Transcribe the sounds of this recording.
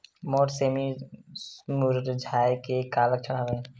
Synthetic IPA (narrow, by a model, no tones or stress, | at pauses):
moːʈseːmismuɾɾd͡ʒʱaːjkekaːlək̚t͡ʃʰəɽaːʋẽː